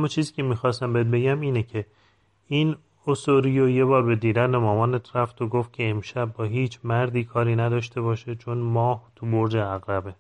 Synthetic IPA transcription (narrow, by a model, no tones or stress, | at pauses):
æmːɒːt͡ʃʰiːziːcʲʰe̞miːxɒːst̪æmbeet̪̚be̞ɟæmiːnecʰe | in | osoɾijoje̞bɒːɾbe̞d̪iːd̪ænemɒːmɒːnet̪ʰɾæft̪ʰoɡoft̪̚cʰe̞emʃæb̚ːɒːɦiːt͡ʃʰmæɾd̪iːkʰɒːɾiːnæd̪ɒːʃt̪ʰe̞βɒːʃet͡ʃʰonmɒːht̪ʰuboɾd͡ʒeæɣɾæbe